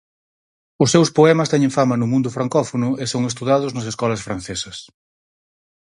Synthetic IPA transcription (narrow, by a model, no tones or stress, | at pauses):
ʊsːewspoɛmɐst̪ɛɲẽŋfamɐnʊmũnd̪ʊfɾaŋkɔfonʊesoŋest̪uðaðʊznɐs̬eskɔlɐsfɾanθesɐs